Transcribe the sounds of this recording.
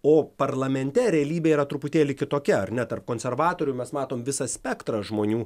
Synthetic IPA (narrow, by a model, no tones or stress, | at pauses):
oːpɐɾlˠɐmʲɛnʲt̪ʲɛɾʲɛɐlʲiːbʲeːiːɾɐt̪ɾʊpʊt̪ʲeːlʲɪkʲɪt̪oːkʲɛɐɾnʲɛt̪ɐrp̚koːnʲsʲɛɾʋɑːt̪oːɾʲʊmʲɛsmɑːt̪oːmʋʲɪsɐsʲpʲɛkt̪ɾɐʒmoːnʲuː